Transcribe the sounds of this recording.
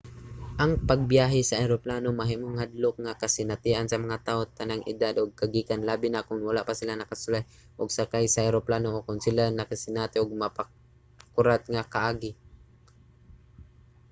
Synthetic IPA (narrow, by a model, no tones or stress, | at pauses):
ʔɐŋpaɡ̚bjaːɦɪsaʔajɾoplaːnomaɦimʊŋhad̪lʊk̚ŋakasɪnat̪ɪʔansɐmɐŋat̪aːʔot̪anaŋʔɪ̰d̪ad̪ʔʊɡ̚kaɡiːkanlaːbɪnakʊnwalaʔpasɪlanɐkasʊlaj | ʔʊɡsakajsaʔajɾoplaːnoʔokʊnsɪlanakasɪnaːt̪ɪʔʊɡ̚mapa | kʊɾat̪̚ŋakaʔaːɡɪ